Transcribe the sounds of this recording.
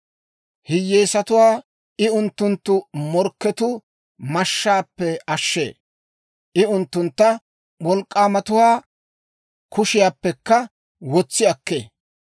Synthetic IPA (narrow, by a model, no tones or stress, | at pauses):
hɪjːeːsɐt̪ʊwaː | ʔɪʊnt̪ːʊnt̪ːʊmɔɾkːɛt̪ʊ | mɐʃːaːpːɛɐʃːḛː | ʔɪʊnt̪ːʊnt̪ːɐ | wɔlkʼːaːmɐt̪ʊwaː | kʰʊʃɪjaːpːɛkːɐ | wɔt͡sːɪɐkːeː